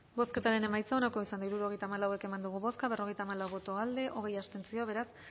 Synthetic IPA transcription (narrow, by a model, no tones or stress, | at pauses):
bo̞ske̞t̪aɾe̞ne̞majt͡sao̞nako̞isand̪aiɾuɾo̞ɣjt̪aːmalawe̞ke̞mand̪uɣ̞uβo̞skaβe̞roe̞jt̪aːmalawβo̞t̪o̞ald̪e̞ʔo̞ɣ̞e̞jast̪e̞nt͡sio̞βe̞ɾas